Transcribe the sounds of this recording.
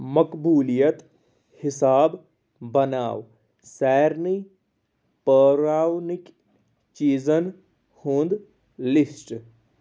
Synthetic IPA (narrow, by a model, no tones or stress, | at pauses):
məkbuːlijət̪ | hɪsaːb | bɐnaːʋ | sɛːɾni | pəːɾaːwnɪk | t͡ʃiːzən | hũnd̪ | lɪsʈ